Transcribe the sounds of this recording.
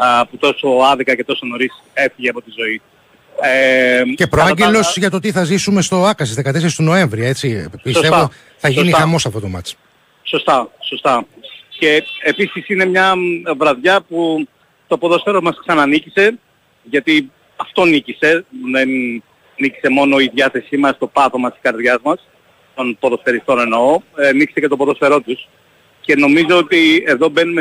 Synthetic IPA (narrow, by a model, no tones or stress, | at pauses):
put̪o̞so̞ɐðikɐce̞t̪o̞so̞no̞ɾis | e̞fiʝeɐpo̞t̪izo̞i | ece̞pɾoɐɲɟelo̞sʝɐt̪ot̪iθɐzisume̞st̪o̞ɐkɐsizðe̞kɐt̪e̞seɾist̪ono̞e̞ɱvɾiɐe̞t͡sipistevo | θɐʝinixɐmo̞sɐft̪o̞t̪o̞̰mɐ̰t͡s | so̞st̪ɐso̞st̪ɐce̞episisine̞mɲɐvɾɐðʝɐpu | t̪o̞poðo̞sfe̞ɾo̞zmɐsksɐnɐnicise̞ | ʝɐt̪i | ɐft̪o̞nicise̞ðen | nici̥se̞mo̞no̞iðʝɐθe̞simɐst̪o̞pɐθo̞mɐsiskɐɾðʝɐzmɐs | t̪o̞npo̞ðo̞sfe̞ɾist̪o̞ne̞no̞nici̥secet̪opoðo̞sfe̞ɾo̞t̪us | ce̞no̞mizo̞ot̪ie̞ðo̞be̞nume